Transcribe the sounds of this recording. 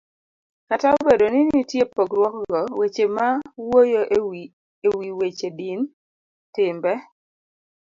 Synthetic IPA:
kataobedonɪnitjepoɡɾwɔkɡɔwet͡ʃemawojo | ewiwet͡ʃedin | tɪmbɛ

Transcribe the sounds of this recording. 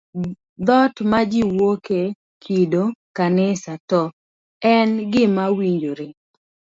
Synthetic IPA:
d̪ɔtmad͡ʒiwoke | kʰidokanɪsatɔ | ɛnɡɪmawiɲd͡ʒoɾe

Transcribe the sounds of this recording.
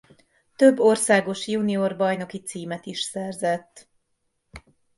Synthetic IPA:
t̪øbːo̞rsaːɡo̞ʃjuːniorbɒjno̞kit̪siːmɛt̪iʃsɛrzɛt̪ː

